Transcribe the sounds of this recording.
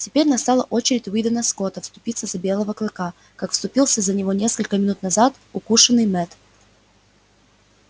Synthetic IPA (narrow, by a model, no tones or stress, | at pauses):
tʲɪpʲeɾʲnɐst̪alˠəʔo̞t͡ɕɪɾʲɪtʲvid̪ənəskot̪əfst̪ʊpʲit̪səzɐbʲelˠəvəklˠɨka | kakfst̪ʊpʲilˠsʲəzənʲɪvo̞nʲe̞skəlʲkəmʲɪnut̪nɐzat̪ | ʊkuʂənːɨjmɛt̪